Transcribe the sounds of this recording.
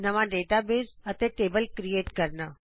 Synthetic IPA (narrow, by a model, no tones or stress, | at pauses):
nɐʋãɖeːʈabeːzət̪eʈeːbəlkɾijeːʈkəɾna